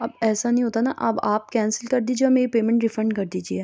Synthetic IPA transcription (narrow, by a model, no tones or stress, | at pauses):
ɐbɛːsanɐɦĩɦoːt̪anaʔɐ̰baːp̚kɛ̃ːnsəlkɐɾd̪iːd͡ʒieɔɾmeːɾipeːmɛ̃ɳʈɖɪfɾɛ̃ɳɖkɐɾd̪iːd͡ʒiɛː